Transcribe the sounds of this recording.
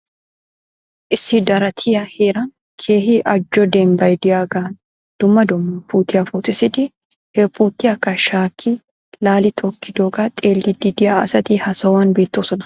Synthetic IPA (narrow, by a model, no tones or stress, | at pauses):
ʔɪsɪd̪ɐɾɐt̪ʰɪjɐheːɾɐn | kʰeːhɪʔɐd͡ʒːɔd̪eːmbɐjd̪ɪjaːɡaːn | d̪̥ʊmːɐd̪ʊmːɐpuːt̪ɪjɐfuːt̪ɪsɪd̪ɪ | hɛpuːt̪ːɪɐkːɐʃaːkʰːi | laːlɪt̪ʰɔkːɪd̪oːɡat̪ʼeːlːid̪id̪ɪjaɐsɐt̪ihɐsɐwaːnbeːt̪ːoːsɔnɐ̥